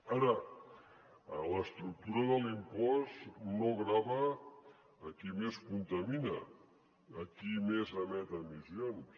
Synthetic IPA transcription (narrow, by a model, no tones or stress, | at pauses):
aɾə | ləst̪ɾuk̚t̪uɾəðəlimpɔznoɣɾaβəː | kimeskunt̪əminəː | kimezamɛt̪əmizjons